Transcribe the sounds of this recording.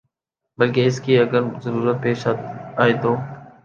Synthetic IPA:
bəlkeːɪskeːəɡəɾzəɾuːɾət̪̚peːʃaaːeːt̪oː

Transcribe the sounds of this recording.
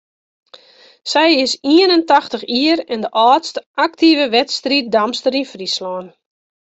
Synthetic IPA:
sɛjɪsiənəntaxtəxiəɾɛndəʔɔːstʔak̚tivəʋɛtstrit̚damstəɾinfrislɔːn

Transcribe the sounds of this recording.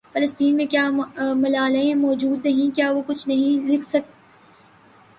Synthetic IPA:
fɐləst̪iːnmẽkjaːmɐlaːlẽmɔːd͡ʒuːd̪nɐɦĩkjaːʋokʊt͡ʃʰnɐɦĩlɪkʰsɐk̚t̪

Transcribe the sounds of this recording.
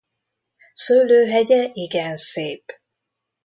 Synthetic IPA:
søːløːɦɛɟɛʔiɡɛnseːp

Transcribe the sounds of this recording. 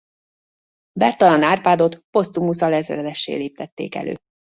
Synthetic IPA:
bɛrt̪ɒlɒnaːrpaːd̪o̞t̪po̞st̪umusɒlɛzɛrɛd̪ɛʃːḛːleːp̚t̪ɛt̪ːḛːkɛ̰lø̰ː

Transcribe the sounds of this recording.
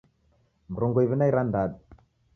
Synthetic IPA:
mɾoŋɡoiβinaiɾandaɗ̚

